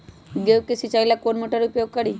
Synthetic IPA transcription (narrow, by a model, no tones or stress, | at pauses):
ɡeukesit͡ʃailakonmoʈəɾupjoɡ̚kəɽi